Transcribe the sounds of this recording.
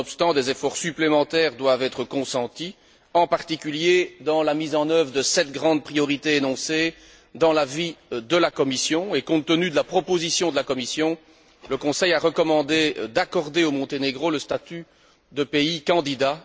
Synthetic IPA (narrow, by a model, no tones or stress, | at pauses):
ɔpst̪ɑ̃d̪ezefɔʁsyplemɑ̃t̪ɛʁd̪wavɛt̪χəkɔ̃sɑ̃t̪i | ɑ̃paʁt̪ikʲyljed̪ɑ̃lamizɑ̃nœvʁəd̪əsɛt̪ɡʁɑ̃d̪̚pχijɔʁit̪eenɔ̃se | d̪ɑ̃lavid̪əlakɔmisjɔ̃ekɔ̃t̪ːənyd̪əlapχɔpozisjɔ̃d̪əlakɔmisjɔ̃ | ləkɔ̃sɛjaʁəkɔmɑ̃d̪ed̪akɔʁd̪eomɔ̃t̪eneɡʁoləst̪at̪y | d̪əpeikɑ̃d̪id̪a